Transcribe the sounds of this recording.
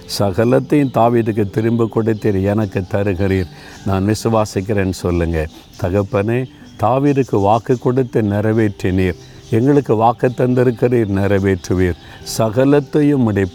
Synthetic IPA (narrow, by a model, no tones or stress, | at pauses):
sɐɣɐlɐt̪ːɐjɯmt̪aːʋiːðɯk̬ːɯt̪ːɪɾɯmbɯkːɔɽɯt̪ːiɾɛnɐkːɯt̪ːɐɾɯɣɪɾiːɾ | naːnʋɪsɯʋaːsɪk̬ːɪɾeːnːsɔlːɯŋɡɐ | t̪ɐɣɐpːɐneː | t̪aːʋiːðɯkːɯʋaːkɯkːɔɽɯt̪ːinɪɾɐʋeːʈriniːɾ | ɛŋɡɐɭɯkːɯʋaːkɐt̪ːɐnd̪ɪɾɯkːɪɾiːɾnɪɾɐʋeːʈrɯʋiːɾ | sɐɣɐlɐt̪ːɐjɯmːʊɽɪpː